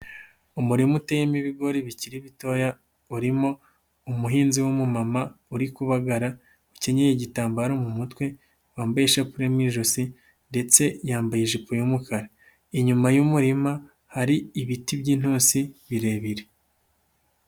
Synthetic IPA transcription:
umuɾimutejemiβiɡo̞ɾiβiciɾiβito̞ja | uɾimo̞ | umuɦiːnziwomumamauɾikuβaɡaɾa | uce̞ɲejeɟitaːmbaɾomumutwe̞ | waːmbajeʃapuɾemwiːʒosi | nde̞t͡se̞jaːmbajeʒipojumukʰaɾa | iɲumajumuɾima | haɾiːβitibɟiːn̥huːnsiβiɾe̞ːβiɾe

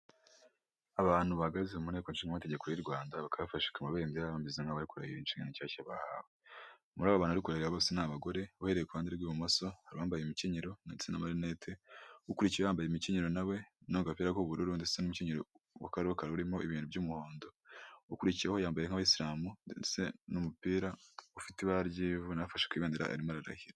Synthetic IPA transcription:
aβaːn̥huβahaɡaizeumune̞ːko̞nʃiːŋɡamate̞ɟekoɾiɾɡwaːndaβakaβafaʃi̥kamaβe̞ːmbiɾaβambizeŋaβaɾikuɾa̰jiɾeinʃiːŋɡa̰nicaːcaβahaːwe | muɾaːβaβaːnhuβaɾikuɾajiɾaβosenaːβaɡo̞ɾe̞uhe̞ɾe̞jekuβhaːndeɾɡwiːβumoso̞haɾiβaːmbajemiceɲeɾo̞naesenamaɾinetʰeukuɾiciɾeβaːmbajemiceɲeɾo̞nawe̞noɡapiːɾakoβuɾuɾunde̥senumuceɲeɾo | wa̰kaɾokaɾuɾimo̞iβiːnubɟuːmuho̞ːndoukuɾiciɾehojaːmbajeŋ̥haβaisiɾaːmusenumupiːɾaufitiβaɾɟiːvunafaʃe̥kwiːβeːndeɾa̰ʔa̰ɾimaɾaɾa̰hiɾa

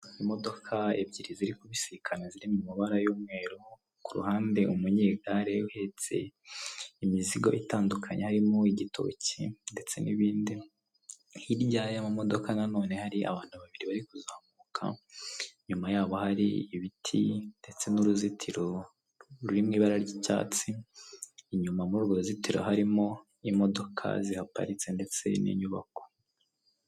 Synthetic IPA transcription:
imo̞do̞kʰae̞̰bɟiɾiziɾikuβisiikʰaneziɾimumuβaɾajuːmŋe̞ːɾu | kuɾṵhaːnde̞ʔumuɲeːɡaɾe̞uhe̞t͡se̞̰ | imiziɡoʔitaːndukʰaɲehaɾimoiɟitʰo̰ːcḭnde̞t͡se̞niβiːndi | jiɾɟaːjamamo̞do̞kanano̞ːne̞haɾiʔa̰βaːn̥huβaβiɾiβaɾikuzahamukʰa̰ | ɲumajaːβo̞haɾḭiβitʰinde̞t͡se̞nuɾuzitʰiɾo | ɾuɾimŋiːβaɾaɾɟica̰ːt͡siː | ɲumamuuɾɡoɾuzitiɾo̰haɾimo | imo̞do̞kʰa̰zihapa̰ɾit͡se̞nde̞t͡se̞nḭɲuβa̰ko̥

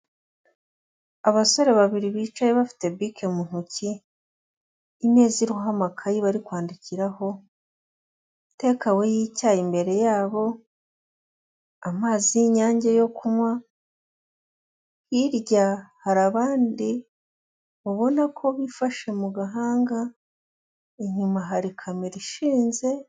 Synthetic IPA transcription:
aβaso̞ɾe̞βaβiɾiβiːt͡ʃajeβafi̥te̞bikʰe̞mun̥uci | me̞ːziɾuɦamakʰajiβaɾikwaːndiciɾaho̞ | te̞ːkawe̞jicajimbe̞ɾe̞jaːβo̞ | amaːziɲaːɲɟejo̞kumwa | hiɾɟahaɾaβaːndi | βoβo̞nakʰo̞βifaʃe̞muɡaɦaːŋɡa | iɲumaɦaɾikʰameɾiʃiːnze̞

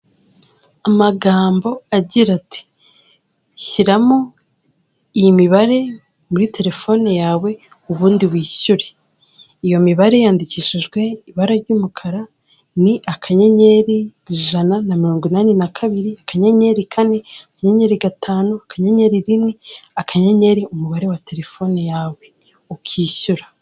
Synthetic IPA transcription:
amaɡaːmbo̞aɟiɾatʰi̥ | çiɾamo | ijimiβaɾe̞ | muɾite̞ɾe̞fo̞nejaːwe̞ | uβuːndiβwiːɕuɾe̞ | ijo̞miβaɾe̞jaːndiciːʃiʒɡwe̞iβaɾaɾɟuːmukʰaɾa | niʔakʰaɲeɲe̞ɾiʒananamiɾo̞ːŋɡwinaːnenakʰaβiɾiakaɲeɲe̞ɾikʰaneakaɲeɲe̞ɾiɡatʰaːnuakaɲeɲe̞ɾiɾiniakʰaɲeɲe̞ɾiumuβaɾe̞wate̞ɾe̞fo̞nejaːwe̞ | ukʰiːʃuɾa

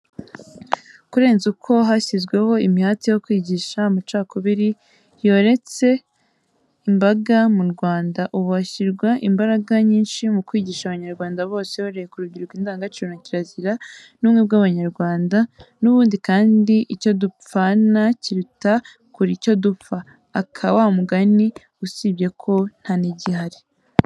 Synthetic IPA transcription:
kuɾe̞ːnzukʰo̞ɦasizɡwe̞ho̞imihatijo̞kwiːɟiːʃamut͡ʃaːkoβiɾi | jo̞ɾe̞t͡se̞ | imbaɡamuɾɡwaːndaʔuβuhaçiɾɡwaʔimbaɾaɡaɲiːnʃimukwiːɟiːʃaβaɲaɾɡwaːndaβo̞ːseβoɾejekuɾuɟiɾɡwiːndaːŋɡat͡ʃiunaciɾaziɾa | numŋebɡaβaɲaɾɡwaːndanuβuːndikaːndiʔico̞dup͡ffanaciɾuta | kuɾico̞dufaː | kʰawamuɡani | usibɟe̞kʰo̞n̥haniɟihaɾi

